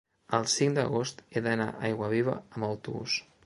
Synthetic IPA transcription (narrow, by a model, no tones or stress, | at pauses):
əlˠsiŋd̪əɣost̪eðəna̰ʔajɣwəβ̞iβ̞ə̰əmbəwt̪uβṵs